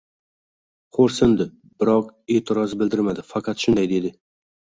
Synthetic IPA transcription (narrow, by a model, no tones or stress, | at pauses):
qʰoɾsɪnd̪ɪ | bɪɾɒqeːt̪ʰɪɾɒzbɪld̪ɪɾmad̪ɪfɑqʰɑt̪ʃʊnd̪ajd̪e̞d̪ɪ